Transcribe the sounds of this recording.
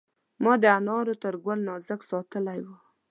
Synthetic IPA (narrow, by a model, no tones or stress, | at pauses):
mɑd̪əanɑɾot̪əɾɡwəlnɑzəksɑt̪əlajwə